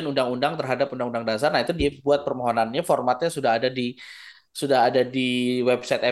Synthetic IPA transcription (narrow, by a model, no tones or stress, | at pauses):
anundaŋundaŋt̪ərɦadapundaŋundaŋdas̬arnahit̪udiabuat̪̚pərmɔɦonanɲafɔrmat̪̚ɲasudaɦadadi | sudaɦadadiwɛbsajt̪ɛ